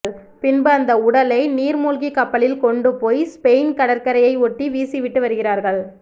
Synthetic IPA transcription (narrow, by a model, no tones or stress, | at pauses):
ɭ | pɪnbɐːnd̪ɐʊɽɐlɐɪniːɾmuːlɣikːɐpːɐlɪlkɔɳɖɯpoːjspeɪnkɐɽɐɾkɐɾɐjɐɪɔʈːiʋiːsiʋɪʈːɯʋɐɾɯɣɪraːɾɣɐɭ